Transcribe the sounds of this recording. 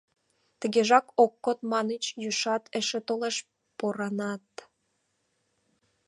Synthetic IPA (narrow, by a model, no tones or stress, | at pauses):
t̪ə̆ɣeʒɑkokːot̪mɑnət͡ɕjyʃɑt̪eʃĕt̪oleʃ | poɾɑnɑt̪